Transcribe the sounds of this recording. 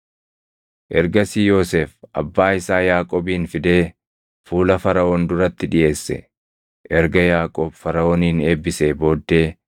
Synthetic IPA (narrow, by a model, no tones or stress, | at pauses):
ʔɛɾɡɐsiːjo̞ːseːfɐbːaːɪsaːjaːkʼɔːbiːnfɪd̪e̞ː | fuːlɐfɐɾɐɔːnd̪ʊɾɐt̪ːɪᶑɪʔe̞ːsːɛ̰ | ʔɛɾɡɐjaːkʼoːbfɐɾɐoːniːneːbːɪse̞ːbo̞ːd̪ːe̞ː